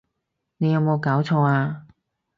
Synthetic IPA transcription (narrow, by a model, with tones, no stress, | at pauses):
ne˨˧jɐ˨˧wmo˨˧wkaː˨˥wt͡sʰɔː˧˥aː˧